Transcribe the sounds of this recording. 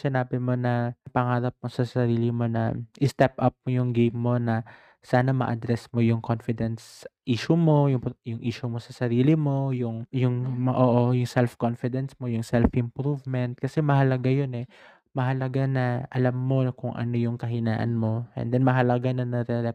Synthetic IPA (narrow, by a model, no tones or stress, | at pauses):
sɪnaːbɪmo̞nɐpɐŋaːɾɐp̚mo̞sɐsɐɾiːlɪmo̞nɐ̰ʔɪst̪ɛp̚ʔɐp̚mojʊŋɡejmːo̞nɐ | saːnɐmɐ̰ʔɐd̪ɾɛsmo̞jʊŋkʰonfɪd̪ɛnsʔiːʃʊmo̞jʊŋpjʊŋʔiːʃʊmo̞sɐsɐɾiːlɪmo̞jʊŋjʊŋʔoːʔojʊŋsɛlfkonfɪd̪ɛnsmo̞jʊŋsɛlfʔɪmpɾuvmɛnt̪̚kɐsɛmɐɦɐlɐɡajo̞nɛ | mɐɦɐlɐɡanɐʔɐlamːo̞kʊŋʔɐ̰no̞jʊŋkɐɦɪnaːʔɐ̰nmo̞ʔɛ̰nd̪ɛnmɐɦɐlɐɡanɐnɛɾɛɾɛ